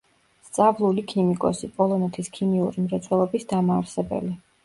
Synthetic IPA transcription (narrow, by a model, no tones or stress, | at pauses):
st̪sʼavlˠulikʰimikʼɔ̰sipʼɔlˠɔnɛt̪ʰiskʰimiuɾimɾat̪sʰʼwɛlˠɔbisd̪amaːɾsɛbɛ̰li